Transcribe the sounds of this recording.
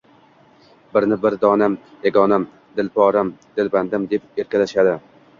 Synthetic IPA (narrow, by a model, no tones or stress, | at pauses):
bɪɾnɪbɪɾd̪ɒnam | jaɡʲɒnam | d̪ɪlpɒɾamd̪̥ɪlband̪ɪmd̪e̞p̚e̞ɾkʲalaʃad̪ɪ